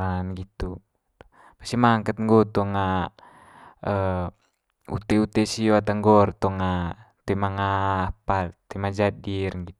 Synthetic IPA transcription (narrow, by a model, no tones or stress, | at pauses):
anɡit̪u | pḁsimaŋkət̪̚ŋɡɔt̪ɔŋa | ə | ṵt̪ɛut̪ɛsioat̪aŋɡɔrt̪ɔŋa | t̪ɛmaŋapalt̪ɛmad͡ʒadirɡit̪